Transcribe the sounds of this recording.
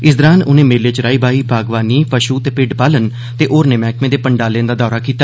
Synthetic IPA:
ɪsd̪əɾaːnʊnẽːmeːɾlet͡ʃɾaːiːbaːiːbʱaːɡʋaːniːpəʃuːt̪eːpɪɖpaːlən | t̪eːʔoːɾnẽːmɛ̃ːkmẽːd̪eːpəɳɖaːlẽːnd̪aːd̪ɔːɾaːkiːt̪aː

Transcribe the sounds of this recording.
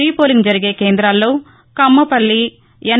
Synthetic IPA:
iːpoːliŋɡd͡ʒɐɾiɡe̞ːke̞ːnd̪ɾaːlːo̞ː | kɐmːɐpɐɭːi | ɐn

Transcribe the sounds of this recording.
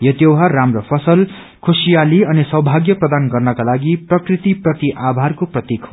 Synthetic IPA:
jʌt̪jewɦaramrʌpʰʌsʌl | kʰusijaliʌnisʌɦbʱaɡjʌprʌd̪anɡʌrnʌkalaɡiprʌkrit̪iprʌt̪iʔabʱarkoprʌt̪ikʰ

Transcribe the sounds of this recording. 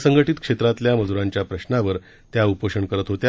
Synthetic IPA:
səŋɡəʈit̪kʂet̪ɾat̪ljaməd͡zuɾaɲt͡ɕjapɾəɕnaʋəɾ | t̪jaupəʂəɳkəɾət̪ɦot̪ja

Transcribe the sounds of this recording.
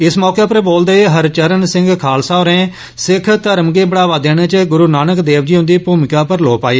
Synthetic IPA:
ɪsmɔːkeːpəɾboːld̪aːeːɦəɾt͡ʃəɾənsɪ̃ŋɡkʰaːlsaːoɾẽː | sɪkʰt̪əɾəmɡeːbəɽaːʋaːd̪eːɽ̃eːt͡ʃəɡʊɾuːnaːnəkd̪eːʋd͡ʒiːɦʊ̃nd̪iːpuːmɪkaːpəɾloːpaːeː

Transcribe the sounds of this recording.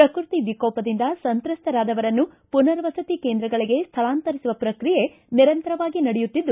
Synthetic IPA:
pɾɐkɾut̪iʋikɔːpɐd̪ind̪ɐsɐnt̪ɾɐst̪ʰɐɾaːd̪ɐʋɐɾɐnːu | punɐɾʋɐsɐt̪ikeːnd̪ɾɐɡɐɭiɡe̞st̪ʰɐɭaːnt̪ɐɾisuʋɐpɾɐkɾije̞ | niɾɐnt̪ɐɾɐʋaːɡinɐɽɛjut̪ːid̪ːu

